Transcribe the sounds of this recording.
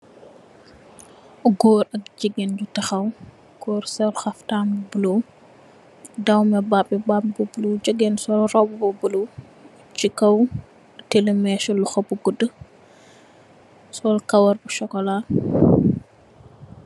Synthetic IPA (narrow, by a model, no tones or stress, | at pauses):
ɡɔːɾɐk̚d͡ʒiɡend͡ʒutɐxɐw | ɡ̥ɔːɾsɛlxɐftambubulo | dɐwmɛbapːibapbubəlod͡ʒəɡɛnsɔlrɔbobulo | t͡ʃikɐw | telɛmɛʃɔluxɐbuɡudə | sɔlkɐwɐɾbuʃɔkɔlaː